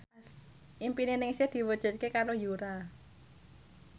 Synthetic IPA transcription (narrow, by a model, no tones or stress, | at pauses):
ʔimpinenɪŋsed̪̥i̤wədʒ̥ə̤t̪̚kekaɾojuɾa